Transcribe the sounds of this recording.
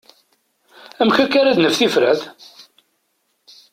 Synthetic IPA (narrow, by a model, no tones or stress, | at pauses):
æmçækːaɾad̪nəfθifɾəð